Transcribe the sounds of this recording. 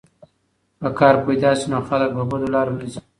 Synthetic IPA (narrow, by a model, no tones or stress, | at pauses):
pəkɑːɾpajd̪ɑsinoxalək̚babad̪olɑɾonazi